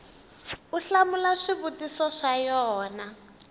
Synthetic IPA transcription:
uɬamulaʂiβutisɔʂajɔːna

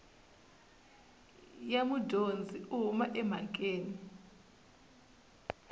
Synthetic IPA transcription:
jamudʱond͡zʱiumaʔɛm̤akʼeːni

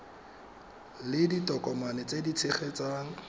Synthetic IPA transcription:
lɪditɔkʼɔmanɛt͡sʼedit͡sʰɪχet͡saŋ̩

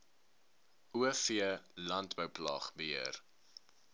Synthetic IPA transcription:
ʔuəfiəlɐntbəwplɑ̰χbəɦiər

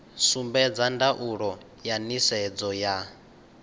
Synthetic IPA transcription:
sumbɛd͡zandaʔuɺɔ | janisɛd͡zɔja

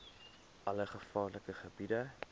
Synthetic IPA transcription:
ʔɐləχəfɑːrləkəχəbidə

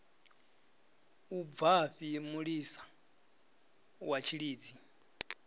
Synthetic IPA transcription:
ub̪vaɸiemuɺiːsḁ | wat͡ʃʰiɺiːd͡zi

